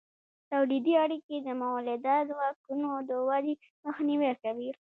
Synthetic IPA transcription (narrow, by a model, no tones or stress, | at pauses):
t̪awlid̪iaɽiked̪əmawalɪd̪ɑt̪wɑkunod̪əwali | məxniwekawi